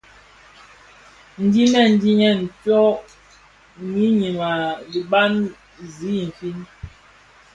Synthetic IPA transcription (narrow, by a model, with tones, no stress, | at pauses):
n̩˨di˦nɛ˦˨n̩˨˦di˦ɲɛ˦˨n̩˨tɔ˦ | ɲi˦ɲi˨ma˨li˨ba˦n | zi˨˦˨m̩˨fi˦n